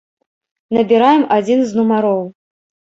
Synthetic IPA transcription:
nɐbʲiɾajɛmad͡zʲinznumaɾɔw

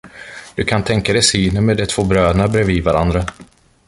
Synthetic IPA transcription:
d̪̥ɵkʰant̪ʰɛŋkad̪ɛjsyːnənmɛd̪ɛt̪ʰv̥oːbɾøːnabɾeːvivaɾʔa̰nd̪ɾa

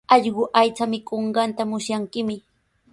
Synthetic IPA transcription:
ɑʎɢʊʔajt͡samɪkoɴɢɑnt̪amʊsjaŋkɪmɪ

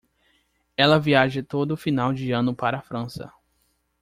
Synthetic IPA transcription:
ɛlɐviaʒɪt̪od̪ʊːfinawd͡ʒɪɐ̃nʊpaɾɐaːfɾɐ̃sɐ̰

